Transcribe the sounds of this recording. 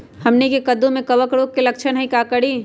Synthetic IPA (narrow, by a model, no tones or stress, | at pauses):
hɐmnekekəd̪õmẽkɐʋəkɾoːkːelɐkʃʰənɦəĩkakəɽiː